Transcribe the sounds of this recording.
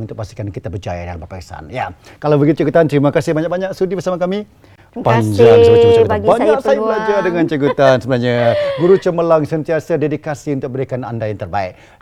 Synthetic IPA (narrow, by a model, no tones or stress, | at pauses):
unt̪ʊk̚past̪i̥kankit̪abəd͡ʒajadalampəpaksa̰nja | kalawbəɡit̪̚t͡ʃəɡut̪ant̪ɾimakasɪhbaɲak̚baɲaʔsudibərsamakami | paɲd͡ʒaŋsələt͡ʃət͡ʃəɡuanbaɲd͡ʒakʔsaiblad͡ʒadəŋãnt͡ʃəɡut̪ansəbənaɲaɡuɾut͡ʃəməlaŋsənt̪iasadedikasiunt̪ʊk̚bəɾikana̰ndajaŋt̪ərbaɪ̰ʔ̚